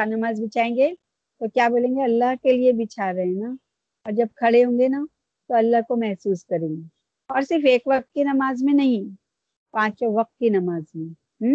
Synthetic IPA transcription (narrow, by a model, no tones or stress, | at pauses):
anɐmaːzbʱit͡ʃaːẽːŋɡe | t̪okjaːboːlẽːŋɡeɐlːaɦkeliebʱit͡ʃʰaɾɐɦẽna | ɔːɾd͡ʒɐb̚kʰɐɽeɦõːŋɡena | t̪oɐlːaɦkomɛɦsuːskɐɾẽːŋɡe | ɔːɾsɪɾfeːkʋɐq̚t̪̚kinɐmaːzmẽnɐɦĩ | pãːt͡ʃoʋɐq̚t̪̚kinɐmaːzmẽ | ɦ̩